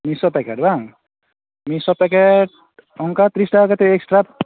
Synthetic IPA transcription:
misɔpɛkeʈbaŋ | misɔpɛkeʈ̚ | ɔŋkat̪ɾisʈakat̪eeksʈɾa

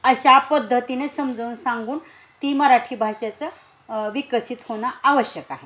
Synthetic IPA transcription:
əɕapəd̪ʱːət̪inesəmd͡zəunsãŋɡuːn | t̪iməɾaʈʰiːbʱaɕat͡sə | ʋikəsit̪hoɽ̃aaʋəɕjəkaɦe

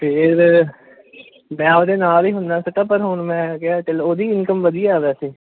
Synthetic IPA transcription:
pʰɪɾ | mɛ̃ːoːd̪eːnaːliːɦʊnd̪aːsəʈəpəɾɦoːɳmɛ̃ːkeaːt͡ʃəloːd̪iːɪnkəmʋəd̪ijaːʋɛːseː

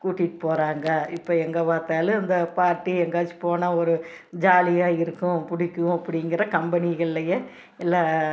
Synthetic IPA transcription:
kuːʈːɪʈːɯpoːɾaːŋɡɐɪpːoːɛŋɡɐpaːɾt̪aːlɯ̃ɪnd̪ɐpaːɾʈːiɛŋɡaːt͡ʃːɯ̥poːnɐɔɾɯ | d͡ʒaːlɪjaːɪɾɯkːʊ̃pʊɽɪkːɯ̃ɐpːɐɽɪŋɡɪɾɐkɐmbɐnɪɣɐɭɪlɐje | ɛlːaː

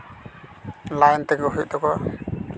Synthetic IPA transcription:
lajnt̪ɛɡɔɦuj̚d̪ɔkɔ

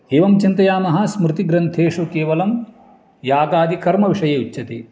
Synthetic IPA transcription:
eːʋɐmt͡ʃint̪ɐjaːmɐɦɐsmɾut̪iɡɾɐnt̪ʰeːʂukeːʋɐlɐm | jaːɡaːd̪ikɐɾmɐʋiʂɐjeːut͡ʃːɐt̪i

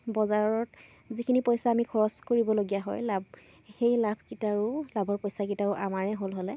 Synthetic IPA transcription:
bɔzaɹɔt | zikʰinipɔjsaːmikʰɔɹɔskoɹibɔloɡijaɦɔjlab̚ | xejlabʱkitaɹʊlabʱɔɹpojsak̬itaʊʔamaɹɛɦolɦolɛ

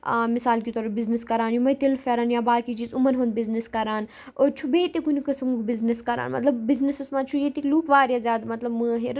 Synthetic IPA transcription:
mɪsaːlkit̪ɔːɾɐbizniskɐɾaːnjumɐt̪ilfɐɾaːnjaːbaːkit͡ʃiːzumɐnɦõnd̪̚bizniskɐɾaːn | ot͡ʃʰubeːt̪ekunikɐsɐmukbɪzniskɐɾa̰ːnmɐ̰t̪lɐbbiznisɐsmaːt͡ʃʰujet̪ikluːkʰʋaːɾjazʲjaːd̪mɐt̪lɐbmɨɦiɾ

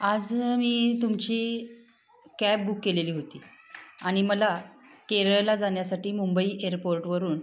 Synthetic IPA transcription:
ad͡zmiːt̪umt͡ɕiː | kæp̚bukːeleliːɦot̪ḭːaɽ̃iməlakeɾəjlad͡zaɳjasaʈiːmumbəiːʔeɾpoɾʈʋəɾuːn

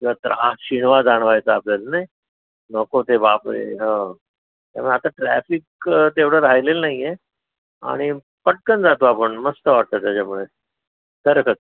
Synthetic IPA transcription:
at̪ɾʔaɕiɳʋad͡zaɳ̃ʋajt͡saːplalnə | nəkot̪ebapɾḛɦə̃ | t̪ja̰muɭeat̪aʈɾæfikt̪eʋɽəɾajlelnaɦije | a̰ɽ̃i | pəʈ̚kənd͡zat̪oapəɳməst̪əʋaɽt̪at̪at͡ɕamuɭe | t̪əɾkʰək̚

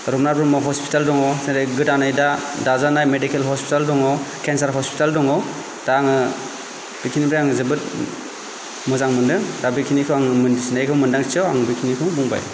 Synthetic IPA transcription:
ɾɔpnaɾbumɔɦɔspi̥taldɔŋɔwsedajɡɯtanajdadazanajmedikʰelɦɔspʰi̥taldɔŋawkʰensaɾɦɔspi̥taldɔŋɔw | d̥aŋɯ | b̥ikʰinibɾajaŋzɯbɯt̚ | muzaŋmɯndɯdabikʰinikʰɯwaŋmnsnajkʰɯwmɯndaŋt͡ʃiawaŋbikʰinikʰɯŋbuŋba̰j

